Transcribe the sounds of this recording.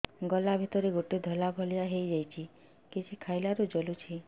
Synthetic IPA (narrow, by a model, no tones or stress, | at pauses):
ɡɔlabʱit̪ɔɾiɡoʈid̪ʱɔlabʱɔlijaɦejd͡ʒajt͡ʃʰi | kit͡ʃʰikʰajlaɾud͡ʒɔlut͡ʃʰi